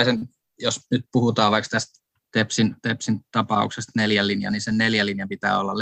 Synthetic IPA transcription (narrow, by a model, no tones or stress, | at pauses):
sen | josnyt̪̚puhut̪ɑːʋʋɑikst̪æst̪ | t̪epsint̪epsint̪ɑpɑṵksest̪neljælːinjɑ̰ninsenneljælinjɑmpit̪æ̰ːolːɑl